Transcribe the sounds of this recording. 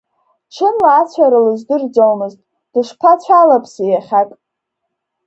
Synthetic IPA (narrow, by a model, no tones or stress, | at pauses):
ʈ͡ʂʰɨnlaːt͡sʷʰaɾalɨzdɨrd͡zowmɨztʼ | d̥ɨʃʷpʰat͡ɕʷʰalapʰsijaχʲakʼ